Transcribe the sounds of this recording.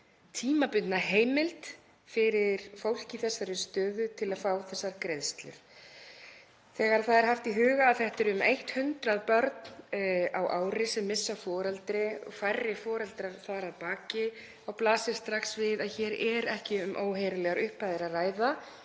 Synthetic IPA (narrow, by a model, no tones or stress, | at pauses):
t̪ʰiːmapʏt̪naɦeːjmɪlt̪ | fɪɾɪɾ̥fowl̥cɪθɛsːaɾʏst̪œːðʏt̪ʰɪlaðfaːwθɛsːaɾkɾejðst̪lʏ̰ɾ̥ | θɛːɣaɾ̥θaðɛɾ̥ɦaft̪iɦʏːɣaːðθɛht̪ɛɾʏmejht̪hʏnt̪ɾaðpœɾt̪nawʔaːwɾɪsɛmːɪsːafɔːɾalt̪ɾɪɔ̰fajrːɪfɔːɾalt̪ɾaθaðɾaðpaːcɪ | awplaːsɪɾ̥st̪ɾaxsvɪðaðçɛːɾɛɾɛhcɪʏmʔoːwɦeːɾalɛɣaɾʏhpajðɪɾaðraːjða